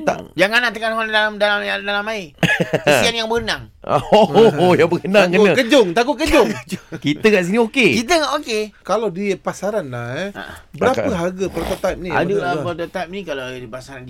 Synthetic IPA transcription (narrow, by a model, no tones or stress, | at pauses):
t̪a̰d͡ʒaŋanaʔt̪əŋanɦondalamdalamjadalamaiisianjaŋbəkənaŋo̰ojaŋbəɡənaaŋkəəkəd͡ʒʊŋt̪akʊkəd͡ʒʊŋd͡ʒkit̪əŋaʔs̬iniokekit̪̬əŋaʔokekalawdipasaɾanla | bəɾapəɦaɡapəɾot̪ɔt̪ajp̚nia̰dəpəot̪ɔt̪ap̚nikaladipasaɾan